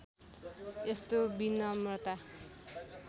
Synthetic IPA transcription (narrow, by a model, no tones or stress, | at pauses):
est̪obinːʌmʌrt̪a